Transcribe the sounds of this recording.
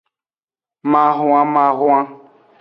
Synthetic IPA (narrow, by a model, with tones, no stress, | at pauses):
ma˨ɦʊ˨˦ã˦ma˨ɦʊ˦a˦